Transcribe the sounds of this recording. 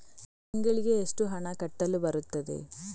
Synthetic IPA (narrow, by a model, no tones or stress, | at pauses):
t̪iŋɡɐɭiɡe̞ːʂʈuɦɐɳɐkɐʈːɐlːubɐɾut̪ːɐd̪ḛ